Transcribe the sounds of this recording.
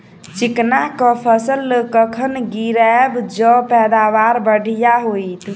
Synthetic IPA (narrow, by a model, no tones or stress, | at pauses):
t͡ʃiknakəpʰəsəlːəkəkʰənɡiɾɛbd͡ʒɔpɛd̪aʋaɾbəɽʱijaɦojt̪